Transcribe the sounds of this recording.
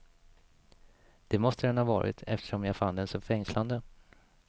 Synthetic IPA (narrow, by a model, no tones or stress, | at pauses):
d̪̥ɛmɔst̪əd̪ɛnhavɑːɾɪ̰t̪ʰɛ̰ft̪ə̥ʂɔmjafand̪ɛnsɔmfɛŋsland̪ə